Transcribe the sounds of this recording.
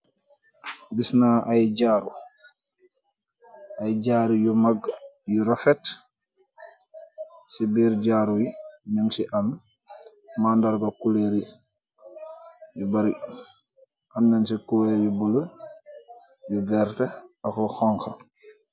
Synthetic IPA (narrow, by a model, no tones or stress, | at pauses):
bisnaʔajɟaːɾu | ʔajɟaːɾujumaɡjuɾɔfɛt | sibiːɾɟaːɾuinaŋsiʔam | mandaɾɡakuleɾi | jubaɾi | ʔamnansikuɛjubulə | jubɛːɾtɛaklɔxɔŋxa̰